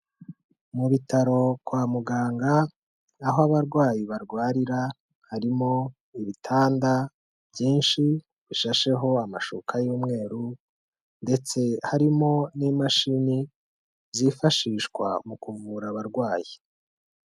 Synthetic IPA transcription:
muβitaɾo̞kwaːmuɡaːŋɡaː | ɦoaβaɾɡwaːjiβaɾɡwaːɾiɾa | haɾimo̞ | iβitʰaːnda | bjiːnʃi | βiʃaʃe̞ɦo̞amaʃṵkʰajuːmŋe̞ːɾu | nde̞t͡se̞haɾimo̞niːmaʃini | zifaʃiːʃkwa̰mukuvuɾaβaɾɡwaːji

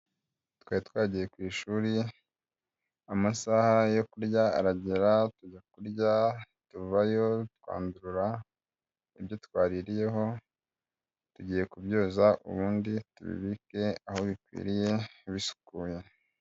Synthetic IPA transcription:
twaːitwaːɟije̞kwiːʃuɾi | amasahajo̞kuɾɟaa̰ɾaɟeɾatuɟakuɾɟa | tuvajo̞tkwa̰ːnduɾuɾa | ibjo̞t̚kwaːɾiɾije̞ɦo̞ | tuɟiːje̞kubjoːzaʔṵβuːnditṵβḭβike̞aho̞βikwḭːɾije̞βisu̥kuːje̞

